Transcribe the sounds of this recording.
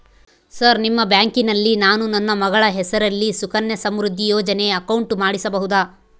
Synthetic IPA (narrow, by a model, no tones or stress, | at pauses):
sɐɾnimːɐbjaːŋkinɐlːinaːnunɐnːɐmɐɡɐɭɐɦɛsɐɾɐlːisukɐnjɐsɐmɾud̪ʱːijɔːd͡ʒɐne̞ɐkɐwɳʈmaːɽisɐbɐɦud̪aː